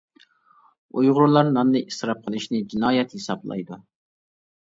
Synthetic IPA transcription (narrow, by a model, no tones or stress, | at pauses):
ujʁʊɾlˠɑɾnɑnːɨʔisɾɑp̚qʰəlˠɨʃnɪd͡ʒinɑːjɛt̪hisɑblˠɑ̰jd̪u